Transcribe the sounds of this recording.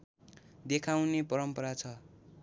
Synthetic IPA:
d̪ekʰaw̃nepʌɾʌmpʌɾat͡sʰʌ

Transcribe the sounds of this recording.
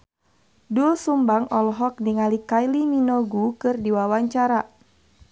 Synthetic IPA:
dulsumbaŋɔlɔɦɔk̚niŋalikajliminɔɡukɨrdiwawaɲt͡ʃaɾa

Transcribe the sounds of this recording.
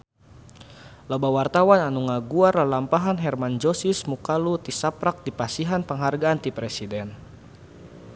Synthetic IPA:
labawart̪awananuŋaɡuarlalampaɦanɦɛrmand͡ʒɔsismukalut̪isapɾak̚dipasiɦanpəŋɦarɡaːnt̪ipɾɛsidɛn

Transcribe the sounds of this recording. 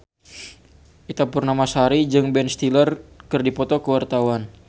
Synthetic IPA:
ʔit̪apurnamasaɾid͡ʒɨŋbɛnst̪ilərkɨrdipɔt̪ɔkəwart̪awan

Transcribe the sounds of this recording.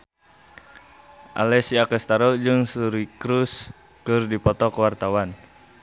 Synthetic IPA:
ʔa̰lɛsiakɛst̪aɾɔd͡ʒɨŋsuɾikɾus | kɨrdipɔt̪ɔkəwart̪awan

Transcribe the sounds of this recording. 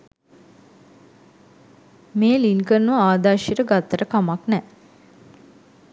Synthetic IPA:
meːlinkərnːuʋaaːd̪aʃjiɾəɡat̪ːəɾəkamaknɛ

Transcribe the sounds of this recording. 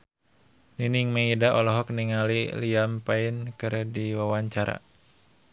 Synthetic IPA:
niniŋməidaʔɔlɔɦɔk̚niŋaliliampaɪnkɨɾdiwawaɲt͡ʃaɾa̰

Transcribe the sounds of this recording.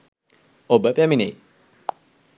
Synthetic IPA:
obəpæminej

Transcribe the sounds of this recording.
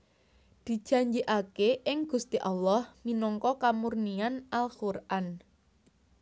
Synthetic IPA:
d̪̥i̤̥ʒ̥a̤ɲd͡ʒiʔakeʔɪŋɡ̥ṳst̪iʔalːɔhminɔŋkɔkamurnianʔalxurʔan

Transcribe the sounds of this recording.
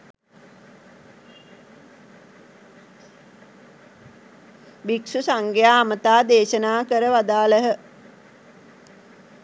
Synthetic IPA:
biksusaŋɡejaːmət̪aːd̪eːʃənaːkəɾəʋad̪aːləɦə

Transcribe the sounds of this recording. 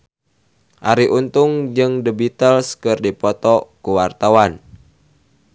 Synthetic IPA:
ʔaɾiʔunt̪ʊŋd͡ʒɨŋdəbit̪əlskɨrdipɔt̪ɔkuwart̪awan

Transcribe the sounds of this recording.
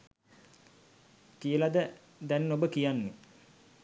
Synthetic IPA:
kijəlad̪ə | d̪ɛnːobəkijanːe

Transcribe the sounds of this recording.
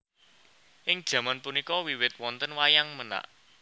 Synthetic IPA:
ʔɪŋd̥ʒ̥a̤manpunikɔwiwɪt̪̚wɔnt̪ənwajaŋməna̰ʔ

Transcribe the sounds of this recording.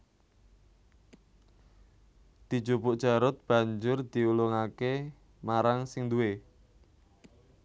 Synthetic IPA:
d̪̥i̤̥d͡ʒobʊʔd̥ʒ̥a̤ɾʊt̪̚b̥a̤ɲd͡ʒʊrd̪̥iulʊŋake | maɾaŋsɪŋd̪ue

